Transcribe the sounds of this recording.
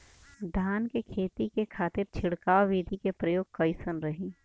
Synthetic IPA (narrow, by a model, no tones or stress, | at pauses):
d̪ʱaːnkekʰeːt̪ikekʰaːt̪ɪɾt͡ʃʰɪɽkaːʋʋid̪ʱikepɾɐjoːɡ̚kɐɪsənɾɐɦẽː